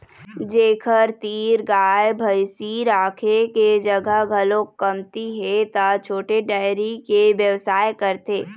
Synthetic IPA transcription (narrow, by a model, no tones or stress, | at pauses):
d͡ʒeːkʰəɾt̪iːɾɡaːjbʱəjsiːɾaːkʰeked͡ʒɐɡʱəɦɡʱəlõkːəmt̪iɦɛt̪at͡ʃʰoːʈeɖaːɪɾikeʋjəʋsaːjkəɾt̪eː